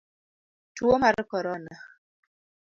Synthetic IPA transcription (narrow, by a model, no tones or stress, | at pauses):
twomaɾəkɔɾɔna